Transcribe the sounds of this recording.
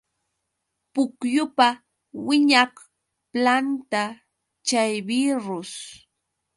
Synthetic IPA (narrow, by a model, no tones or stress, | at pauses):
pʊkjʊpa | wɪɲah | plant̪a | t͡ʃajbɪɾʊs